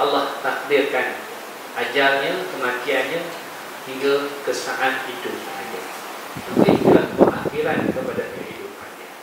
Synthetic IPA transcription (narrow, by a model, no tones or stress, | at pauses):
ʔalaht̪ak̚dɪrkan | ʔad͡ʒarɲãkəmak̪ianɲã | hiŋɡakəsənaʔanhidupaɲa | mənt̪ɪŋkabəʔaxiɾankəpadakəɦidupanɲa